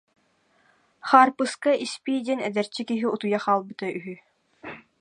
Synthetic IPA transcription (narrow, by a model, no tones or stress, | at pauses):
χaːɾpɯskaʔispid̪ʲɛnɛd̪ɛɾt͡ɕːikiɦiut̪ujaχaːlˠbɯt̪aʔyɦy